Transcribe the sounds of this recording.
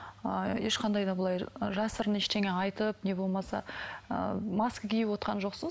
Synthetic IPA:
əjeʃqʰɑnd̪ɑjd̪ɑbəlˠɑjʒɑsəɾəneʃt̪e̞ŋeɑjt̪əpne̞bo̞lˠmɑsɑ̰ə̰mɑskəkʲʰejɪpwo̞t̪qɑnʒo̞qsəz

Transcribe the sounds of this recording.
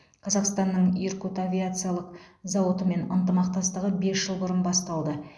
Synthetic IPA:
qʰɑzɑqst̪ɑnːəɴjɾkot̪avʲijat̪sɨjalˠəqzɑwot̪əme̞nənt̪əmɑq̚t̪ɑst̪əʁəbe̞sʒ̥əlˠbʊɾənbɑst̪ɑlˠd̪ə

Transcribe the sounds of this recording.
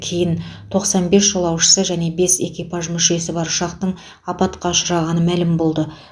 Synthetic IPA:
kʲʰe̞jɪnt̪ʰo̞qsɑnbe̞sʒolˠɑwʃə̥səʒæne̞be̞se̞kʲijpɑʒmʏʃe̞sɪbɑɾʃɑqt̪əɴ | ɑpɑt̪qɑʃəɾɑʁɑnəmælɪmbo̞lˠd̪ə

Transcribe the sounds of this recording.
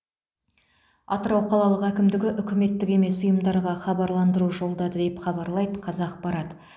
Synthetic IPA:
ɑ̰t̪əɾɑwqʰɑlˠɑlˠəqækʲɪmd̪ɪɡʲɪʔʏkʲɪme̞t̪ːɪkʲe̞me̞sʊjəmd̪ɑɾʁɑχɑbɑɾlˠɑnd̪əɾuʒo̞lˠd̪ɑd̪əd̪e̞pχɑbɑɾlˠɑjd̪əqʰɑzɑq̚bɑɾɑd̪ə

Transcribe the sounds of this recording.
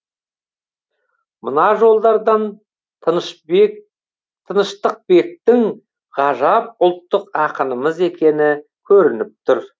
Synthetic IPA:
mʊnɑʒo̞lˠd̪ɑɾd̪ɑn | t̪ʰənəʃt̪əq̚be̞k̚t̪ɪŋ | ʁɑʒɑp̚ʊlˠt̪ːəqɑqənəməze̞kʲʰe̞nɪkʲʰɵɾɪnɪp̚t̪ʰʊɾ

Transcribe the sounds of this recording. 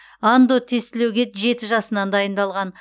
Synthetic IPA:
and̪o̞t̪ʰe̞st̪ɪlewɡʲe̞ʒe̞t̪ɪʒɑsənɑnd̪ɑjənd̪ɑlˠʁɑn

